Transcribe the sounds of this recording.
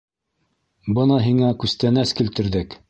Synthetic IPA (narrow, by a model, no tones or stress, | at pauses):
bɤnɑɦiŋækʉst̪ænæskilt̪ɘ̆ɾðɘk